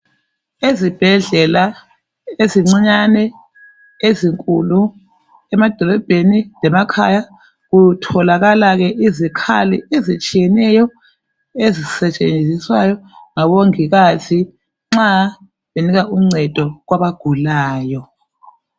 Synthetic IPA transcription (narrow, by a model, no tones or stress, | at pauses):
ezib̥ʱɛɮɛla | eziŋ͡ǀiɲanɛ | eziŋkʼulu | ɛmad̥ʱɔlɔb̥ʱenilɛmakʰa̰ja | ɣutʰɔlaɣalaɣɛʔizikʰa̰lḭezit͡ʃʼijɛnɛjɔ | ezisɛt͡ʃʼend͡zʱiswajɔŋaβoŋiɣatʰi | ŋ͡ǁa | βeniɣaʔuŋ͡ǀɛd̥ʱɔɣwaβaɡ̥ʱulaːjɔ